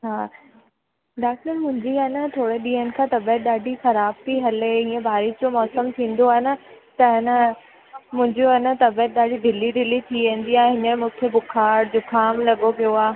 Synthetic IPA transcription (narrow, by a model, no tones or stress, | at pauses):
ɦaː | ɖaːk̚ʈəɾmʊ̃ɦɪ̃ɲd͡ʑiaːnət̪ʰoːɽeɗĩːɦənɪ̆kʰãːt̪ɐbət̪̚ɗaːɖʱixɐɾaːb̚t̪ʰiɦɐleĩːə̃bʱaːɾɪsd͡ʑomɔːsəmt̪ʰĩːn̆d̪oaːɦɪnət̪ɐɦɪnə | mʊ̃ɦɪ̃ɲd͡ʑoɐnət̪ɐbət̪̚ɗaːɖʱiɖ̪ɪliɖ̪ɪlit̪ʰiʋẽːn̆d̪iaːɦẽɦɪnəmẽmũːkʰebʊkʰaːɾd͡ʑoːkʰaːmlɐɠopijoaː